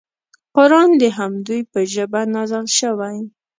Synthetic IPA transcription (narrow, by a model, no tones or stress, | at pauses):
qʊɾɑnd̪əɦamd̪ujpəʒəbanɑzalʃəwaj